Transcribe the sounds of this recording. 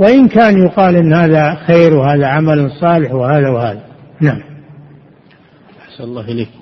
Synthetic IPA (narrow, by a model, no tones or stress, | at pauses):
wɪʔɪnkaːnjʊqɑːlʔɪnːhaːðaxeːɾwɦaːðaʕamalnsˤɑːlɪħwɪhaːðawhaːðanaʕam | ʔaħsanɑlˤːɑːhɪleːk